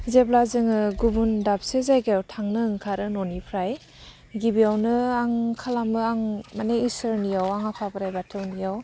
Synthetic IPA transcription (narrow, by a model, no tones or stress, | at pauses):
zeblazɯŋɯɡubundap̚sezajɡejawtʰaŋnɯŋkʰaɾɯnɔnipʰɾaj | ɡibijawnɯaŋkʰalamɯaŋmaneisɯɾnijawaŋapʰapɾajbatʰɯwnijaw